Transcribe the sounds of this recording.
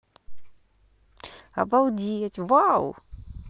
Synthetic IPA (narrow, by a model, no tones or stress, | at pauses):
a̰bawd̪iat͡ʃivaw̰